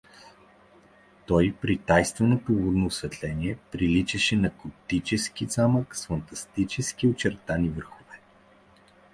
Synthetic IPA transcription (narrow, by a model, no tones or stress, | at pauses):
t̪ɔjpɾit̪ajst̪vɛnot̪ouvod̪noːsvɛt̪lɛniɛpɾilit͡ʃɛʃɛnɐkot̪it͡ʃɛskizaməksfɐnt̪ɐst̪it͡ʃɛskiot͡ʃɛɾt̪anivəɾxovɛ